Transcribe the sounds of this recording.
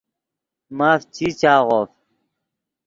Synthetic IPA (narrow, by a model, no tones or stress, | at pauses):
maːft͡ɕʰiːt͡ɕaːʁoːf